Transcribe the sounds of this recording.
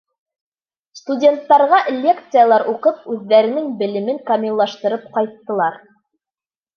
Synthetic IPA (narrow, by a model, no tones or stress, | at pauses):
st̪udʲe̞nt̪ːɑɾʁɑʔlʲːe̞kt̪sɨjalˠɑɾʔuqɤp̚ʉðːæɾɘ̆nɘŋbɘ̆lɘ̆mɘŋkɐmʲilˠːɑʃt̪ɤ̆ɾɤp̚qɑjt̪ːɤ̆lˠɑɾ